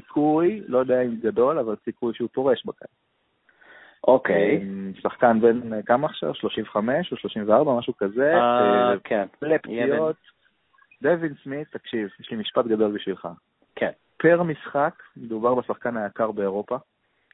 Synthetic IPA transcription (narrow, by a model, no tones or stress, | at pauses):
sikʰujlo̞jod̪ejaimɡado̞lavalsikujʃeupo̞ʁe̞ʃbaka̰ | ʔokejsaχkanbe̞nkamaːχʃa̰vʃlo̞ʃimveχame̞ʃoʃlo̞ʃimveaʁbamaʃukazeakʰenblepijot̪ | d̪evinsmit̪ːakʃivjeʃlimiʃpat̪ɡado̞lbiʃvilχa̰ | kʰen | peʁmisχakme̞d̪ubaʁbesaχkanhajakaʁbe̞ːʁo̞pa